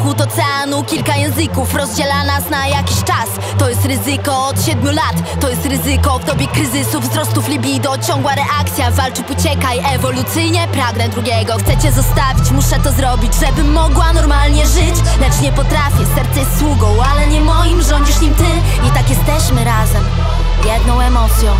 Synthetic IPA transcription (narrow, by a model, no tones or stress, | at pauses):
xut̪ɔt̪sɛanukʲilkajɛ̃w̃zɘkufɾɔzd͡ʑɛlanasnajakʲiɕt͡ʂas | t̪ɔjɛst̪ɾɘzɘkɔːt̪ɕɛd̪mʲjulat̪ːɔjɛst̪ɾɘzɘkɔvd̪ɔbʲjɛkɾɘzɘsuvzɾɔst̪uflʲibʲijd̪ɔt͡ɕɔŋɡwaɾɛʔakt̪sʲjavalt͡ʂɘput͡ɕɛkajʔɛvɔlut̪sɘjɲɛpɾaɡnɛd̪ɾuɡʲjɛɡɔxt̪sɛt͡ɕɛzɔst̪avʲit͡ɕmuʂɛt̪ɔzɾɔbʲid͡ʑʐɛbɘmːɔɡwanɔɾmalɲɛʐɪt͡ɕlɛt͡ʂɲɛpɔt̪ɾafʲjɛsɛɾt̪sɛjst̪ːwuɡɔ̃w̃alɛɲɛmɔjimʐɔɲd͡ʑiʂɲimt̪ɘ | it̪akjɛst̪ɛɕmɘɾazɛm | jɛd̪nɔ̃w̃ɛmɔt̪sʲjɔ̃w̃